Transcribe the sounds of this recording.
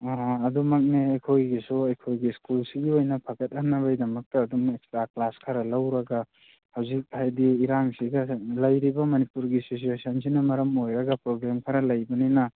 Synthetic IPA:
ɐdumɐk̚neɐjkʰojɡisuɐjkʰojɡiskulsiɡiojnɐpʰɐɡɐt̚ɦɐmnːɐβɐjdɐmɐk̚tɐːdumekstɾaklaskʰɐɾɐlɐwɾɐɡa | hɐwzik̚hajdiːɾaŋsiɡɐlɐjɾibɐmɐnipuɾɡisosuesɐnsinɐmɐɾɐmojɾɐɡɐpɾoɡɾamkʰɐɾɐlɐjbɐninɐ

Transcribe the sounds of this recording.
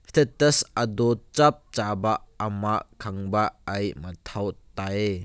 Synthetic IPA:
st̪ʰɛt̪ɐsɐdɔt͡ʃɐp̚t͡ʃabaɐmaʔkʰɐŋbaɐjmɐt̪ʰɐwt̪aj

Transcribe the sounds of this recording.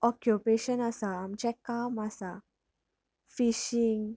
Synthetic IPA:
ɔkjupeɕənasaːmt͡ɕɛkamasa | fiɕiŋɡ

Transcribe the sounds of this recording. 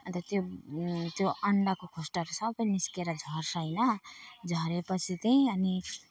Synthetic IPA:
ʌ̃nt̪ʌt̪jot̪joʔʌɳɖʌkokʰosʈʌɾusʌbʌjniskeɾʌd͡zʱʌrsʌjnʌd͡zʱʌɾepʌt͡sʰit̪ʌj̃ʌni

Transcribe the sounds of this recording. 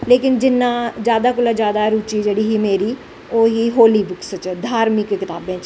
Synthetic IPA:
leːkɪnd͡ʒɪnːãːd͡ʒjaːd̪aːkʊlaːd͡ʒjaːd̪aːɾuːt͡ʃiːd͡ʒeːɽiːɦiːmeːɾiː | oːɦiːɦoːliːbʊkst͡ʃd̪ʱaːɾmɪkkɪt̪aːbẽːt͡ʃ

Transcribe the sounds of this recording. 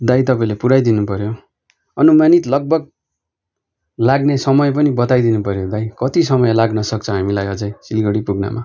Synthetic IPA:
d̪ajt̪ʌpaĩlepuɾajd̪inupʌɾjo | ʌnumanit̪lʌɡ̚bʌɡ̚ | laɡnesʌmʌjp̬ʌnibʌt̪ajd̪inupʌɾjod̪ajkʌt̪isʌmʌjlaɡnʌsʌk̚t͡sʰʌɦamilajʌd͡zʌjsilɡʌɽipuɡna̰ma̰

